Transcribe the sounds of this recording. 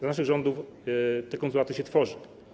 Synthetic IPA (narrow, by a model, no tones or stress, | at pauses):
zanaʂ̬ɨɣʐɔnd̪uft̪ɛkɔnsulat̪ɘɕɛt̪fɔʐɨ